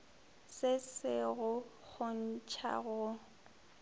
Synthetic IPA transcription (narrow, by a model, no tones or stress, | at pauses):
sɪsɪɣʊ | k͡xʰʊn̩t͡ʃʰa̰ɣʊ